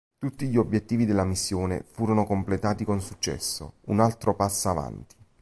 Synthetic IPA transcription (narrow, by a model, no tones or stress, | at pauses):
t̪ut̪ːiʎiobjet̪ːiːvid̪elːamisːjoːnḛfuːɾonokomplet̪aːt̪ikonsut͡ʃːɛ̰sːo̰unalt̪ɾopasːava̰nt̪i̥